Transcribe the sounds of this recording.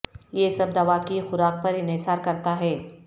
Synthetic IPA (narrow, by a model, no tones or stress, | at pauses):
jesɐb̚d̪ɐʋakixʊɾaːk̚pɐɾɪnɪsaːɾkɐɾt̪aɦɛː